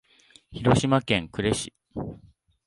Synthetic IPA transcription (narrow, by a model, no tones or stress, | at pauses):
çiɾo̞ɕimakẽ̞ŋkɯ̟ɾe̞ɕi̥